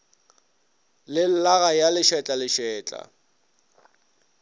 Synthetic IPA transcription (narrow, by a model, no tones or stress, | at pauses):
lɪlaɣajalɪʃɛt͡ɬʼalɪʃɛːt͡ɬʼa̰